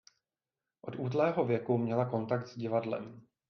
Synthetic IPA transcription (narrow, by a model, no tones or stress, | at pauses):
ʔo̞t̪ʔuːt̪lɛːɦo̞vjɛkumɲɛlako̞nt̪ak̚t̪z̥ɟɪvadlɛ̰m